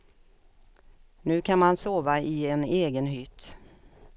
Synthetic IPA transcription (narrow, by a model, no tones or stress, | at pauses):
nʉ̟ːkʰanmansoːvaɪɛneːɡənɦʏt̪